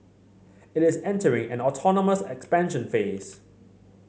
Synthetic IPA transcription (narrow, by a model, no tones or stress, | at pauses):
ɪtɪsɛ̃ntəɹɪ̃ŋɛ̃nɔtʰɔnəməsɛkspæ̃nʃə̃nfeːs